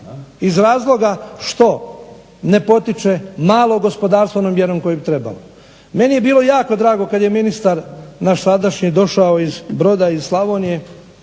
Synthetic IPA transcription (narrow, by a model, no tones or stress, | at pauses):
izɾaːzlˠo̞ɡaʃt̪o̞ | ne̞po̞t̪it͡ʃe̞maːlˠo̞ɡospo̞d̪aːɾst̪ʋonomjeɾo̞mko̞jebit̪ɾeba̰lo | me̞nije̞biːlˠo̞jaːko̞d̪ɾaːɡo̞kad̪je̞minist̪aɾnaʃsad̪aʃɲid̪o̞ʃaoizbɾo̞d̪aizslˠaʋonije̞